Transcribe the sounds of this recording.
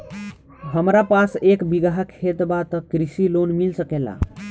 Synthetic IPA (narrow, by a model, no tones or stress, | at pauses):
ɦəmɾapasekbiɡaɦəkʰet̪bat̪əkɾisilonmilsəkela̰